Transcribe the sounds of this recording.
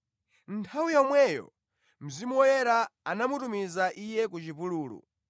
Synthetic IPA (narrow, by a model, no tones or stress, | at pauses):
ntʰawujamwɛjɔ̰ | m̩zimuwɔjɛɾaːnamutumizaʔijɛkut͡ʃipuluːlṵ